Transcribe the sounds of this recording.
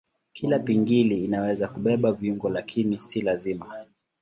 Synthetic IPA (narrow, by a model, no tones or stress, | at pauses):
kʰilapiŋɡiliːnawɛzakuɓɛɓaviuŋɡɔlakʰinisilazima